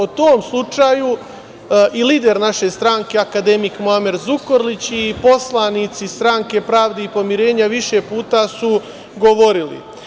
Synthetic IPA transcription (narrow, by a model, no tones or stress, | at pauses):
ot̪oːmslˠut͡ʃaːju | ʔiliːd̪e̞ɾnaʃe̞st̪ɾaŋke̞akad̪e̞mikmoameɾzuko̞ɾlit͡ɕipo̞slˠaniːt̪sist̪ɾaŋke̞pɾaːʋd̪eipo̞miɾe̞ːɲaʋiʃe̞puːt̪asu | ɡo̞ʋo̞ɾilḭ